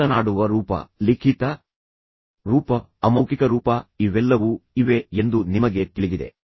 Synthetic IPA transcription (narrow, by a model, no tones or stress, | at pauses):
ɐnaːɽuʋɐɾuːpɐ̰likʰit̪ɐ | ɾuːpɐːmɐwkikɐɾuːpɐiʋɛlːɐʋuiʋe̞end̪unimɐɡe̞t̪iɭid̪id̪e